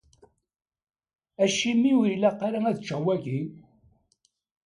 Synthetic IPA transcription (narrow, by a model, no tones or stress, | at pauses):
æʃimiwilæqːɑɾaæðt͡ʃːæwæʝi